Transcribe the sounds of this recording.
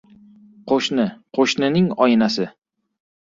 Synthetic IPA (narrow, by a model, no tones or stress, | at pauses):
qʰoʃnɪqʰoʃnɪnɪŋɒjɪnasɪ